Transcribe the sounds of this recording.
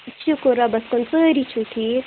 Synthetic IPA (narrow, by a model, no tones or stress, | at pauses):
t͡ʃukoɾabɐskonsəːɾit͡ʃʰuʈʰi